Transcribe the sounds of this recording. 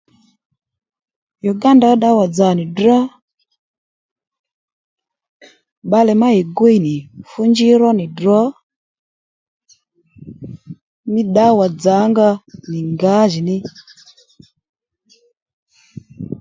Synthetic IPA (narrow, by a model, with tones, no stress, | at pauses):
jɔ˨ɡa˦nda˨˦ɗa˦wa˨d͡za˨ni˨dɔ˦ | ɓa˦lɛ˨ma˦i˨ɡwe˦i˨ni˨fu˦ɲd͡ʒi˦ɾɔ˦ni˨dɾɔ˦ | mi˦ɗa˦wa˨d͡za˨˦ŋɡa˦ni˨ŋɡa˨˦ʒi˨ni˦